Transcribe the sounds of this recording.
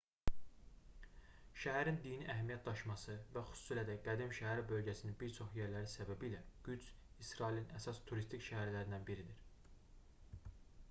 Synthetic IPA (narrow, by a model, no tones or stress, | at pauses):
ʃæɦæɾind̪iniʔæɦæmijæt̪̚d̪ɑʃmɑsɯvæxy̥su̥siːlæd̪æɡæd̪imʃæɦæɾibø̞lɟæsininbiɾt͡ʃʰo̞χjeɾlæɾinsæbæbilæɡ̥yd͡ʒ | isɾɑilinæsɑst̪ʰuɾist̪ʰicʃæhæɾlæɾind̪ænbiɾid̪iɾ̥